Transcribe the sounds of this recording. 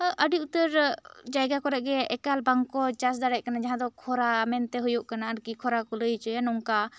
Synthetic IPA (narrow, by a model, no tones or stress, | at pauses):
ʔəɖiut̪əɾd͡ʒajɡakɔɾɛʔɡɛɛkalbaŋkɔt͡ʃasd̪aɽɛʔkanad͡ʒaɦãd̪ɔkʰɔɾamɛnt̪ɛɦujuʔkanaəɾkikʰɔɾakɔləjt͡ʃɛjanɔŋka